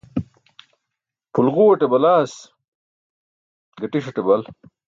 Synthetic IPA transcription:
pʰulɣuwɐʈebɐlaːs | ɡɐʈiʂɐʈebɐl

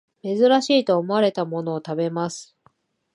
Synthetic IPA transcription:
me̞zɨɾaɕiːt̪o̞ːmo̞aɾe̞t̪amo̞no̞ːt̪abe̞masɨ̥

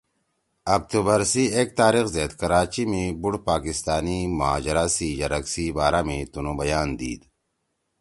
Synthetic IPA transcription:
ɐk̚t̪uːbəɾsieːk̚t̪aːɾixzeːt̪kɐɾaːt͡ɕimẽbuɽpaːkɪst̪aːnimʊɦa̰ːd͡ʒɾasijɐɾɐksibaːɾamẽt̪unõbɐjaːnd̪ḭːd̪

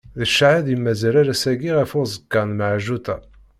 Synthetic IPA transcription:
ðəʃʕaðimːæzæɾæɾæsæɡiʁæfʊzˤəkːɑnməʕʒut̪æ

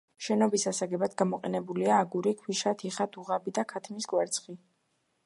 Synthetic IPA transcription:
ʃɛnɔbisasaɡɛbad̪ɡamɔqʼɛnɛbuliaːɡuɾikʰwiʃat̪ʰiχad̪uʁabid̪akʰat̪ʰmiskwɛɾt̪sʰχi

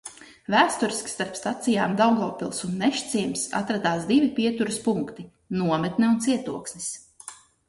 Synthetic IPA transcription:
væːst̪uɾiskst̪aɾpst̪at̪sijaːmd̪awɡɔːpilˠsunːɛʃt̪sʲiɛmʲsa̰t̪ɾad̪aːsd̪ivipʲiɛt̪uɾuspuŋkt̪i | nuɔmɛt̪nɛunt̪siɛt̪uɔksnʲis

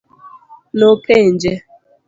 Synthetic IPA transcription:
nokend͡ʒe

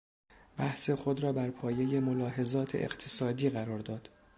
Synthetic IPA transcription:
b̥æhsexod̪ɾɒːbæɾpʰɒːje̞jemolɒːɦe̞zɒːt̪ʰḛʔḛqt̪ʰesɒːd̪iːɣæɾɒːɾd̪ɒːd̪̥

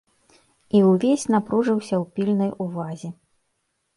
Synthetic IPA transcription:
iwvʲesʲnapɾuʐɨwsʲɐwpʲilʲnɐjuvazʲi

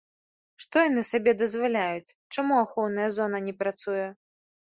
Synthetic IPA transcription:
ʂt̪ɔjanɨsabʲɛd̪ɐzvalʲajut͡sʲ | t͡ʂamuaxɔwnɐjɐzɔnɐnʲɛpɾat̪sujɛ

